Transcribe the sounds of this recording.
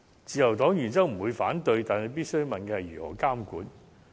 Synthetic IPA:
t͡siː˨jɐ˨˩wt̪ɔː˨˥ŋjyː˨˩nt͡sɐ˥wm̩˨˩wuː˨˧jfaː˨˥nt̪ɵ˧ɥt̪aː˨nke˨˧˥piː˥t̚sɵ˥ɥmɐ˨nkɛː˧hɐ˨jyː˨˩hɔ̰ː˨˩kaː˥mkuː˨˧˥n

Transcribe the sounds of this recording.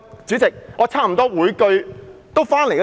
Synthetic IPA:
t͡syː˨˥t͡sɪ˨k̚ŋɔː˨˧t͡sʰaː˥˩m̩˨˩t̪ɔː˥wuː˨˧˥jkɵ˧ɥt̪o˥wfaː˥nle˨˩jk

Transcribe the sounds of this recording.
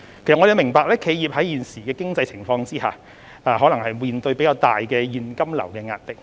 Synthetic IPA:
kʰe˨˩sŋɔ˨˧jmɪ˨˩ŋpaː˧k̚lɛː˥kʰe˨˧jjiː˨p̚hɐ˨˥jiː˨˩nsiː˨˩kɛː˧kɪ˥ŋt͡sɐ˧jt͡sʰɪ˨˩ŋfɔː˧ŋt͡siː˥ha̰ː˨ | aː˨˧ɦɔː˨˥lɐ˨˩ŋhɐ˨jmiː˨nt̪ɵ˧ɥpe˨˥jkaː˧wt̪aː˨jkɛː˧jiː˨nkɐ˥mlɐ̰˨˩wkɛː˧ŋa̰ː˧t̚lɪ˨k̚

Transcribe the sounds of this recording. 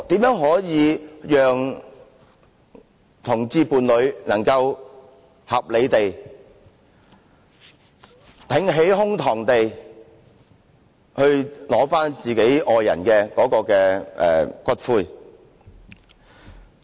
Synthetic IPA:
t̪iː˨˥mjœː˨˥ŋɦɔː˨˥jiː˨˧jœː˨ŋ | t̪ʰʊ˨˩ŋt͡siː˧puː˨˧nlɵ˨˧ɥnɐ˨˩ŋkɐ˧w | hɐ˨p̚le˨˧jt̪e˨j | t̪ʰɪ˨˥ŋɦe˨˥jhʊ˥ŋt̪ʰɔː˨˩ŋt̪e˨j | hɵ˧ɥlɔː˨˥faː˥nt͡siː˨ke˨˥jʔɔː˨˧jɐ̰˨˩nkɛː˧kɔː˨˧˥kɔː˧kɛː˧ʔɛ̰ː˨˩kʰʷɐ˥t̚fuː˧˥j

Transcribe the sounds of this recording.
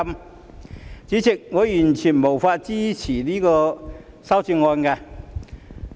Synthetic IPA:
m | t͡ɕiː˨˥t͡sɪ˨k̚ŋɔː˨˧jyː˨˩nt͡ɕʰyː˨˩nmo˨˩wfaː˧t̚t͡siː˥t͡ɕʰiː˨˩liː˥kɔː˧ | sɐ˥wt͡si˧ŋɔː˧nka˧

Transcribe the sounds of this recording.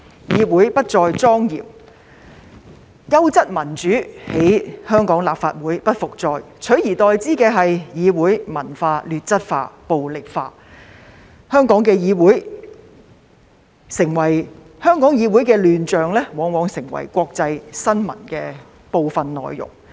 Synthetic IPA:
jiː˨˧wuː˨˥jpɐ˥t̚t͡ʃɔː˧jt͡sɔː˥ŋjḭː˨˩m | jɐ˥wt͡sɐ˥t̚mɐ˨˩nt͡ʃyː˨˥he˨˥jhœː˥ŋkɔː˨˥ŋla̰ː˨p̚fa̰ː˧t̚wuː˨˥jpɐ˥t̚fʊ˨k̚t͡sɔː˧jt͡ʃʰɵ˨˥ɥjiː˨˩t̪ɔː˨jt͡siː˥kɛː˧ɦɐ˨jjiː˨˧wuː˨˥jmɐ˨˩nfaː˧lyː˨t̚t͡sɐ˥t̚fa̰ː˧po˨wlɪ˨k̚fa̰ː˧ | hœː˥ŋkɔː˨˥ŋkɛː˧jiː˨˧wuː˨˥j | sɪ˨˩ŋwɐ˨˩j | hœː˥ŋkɔː˨˥ŋjiː˨˧wu˨˥jkɛː˧lyː˨nt͡ʃœː˨ŋlɛː˥wɔː˨˧ŋwɔː˨˧ŋsɪ˨˩ŋwɐ̰˨˩jkʷɔː˧k̚t͡sɐ˧jsɐ˥nmɐ̰˨˩nkɛː˧ | po˨˧wfɐ˨nnɔ̰ː˨jjʊ̰˨˩ŋ

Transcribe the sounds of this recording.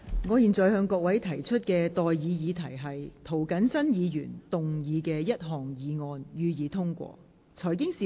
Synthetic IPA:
ŋɔː˨˧jiː˨˩nt͡sɔː˨˩jɦœː˧ŋkɔː˧k̚wɐ˨˥jt̪ʰɐ˨˩jt͡ʃʰɵ˥t̚kɛː˧t̪ɔː˨jjiː˨˧jiː˨˧t̪ʰɐ˨˩jɦɐ˨jt̪ʰo˨˩wkɐ˨˥nsɐ˥njiː˨˧jy̰ː˨˩nt̪ʊ˨ŋjiː˨˧kɛː˧jɐ˥t̚ɦɔː˨˩ŋjiː˨˧ŋɔː˧njyː˨˧jiː˨˧t̪ʰʊ˥ŋkʷɔ̰ː˧ | t͡sʰɔː˨˩jkɪ˥ŋsiː˨

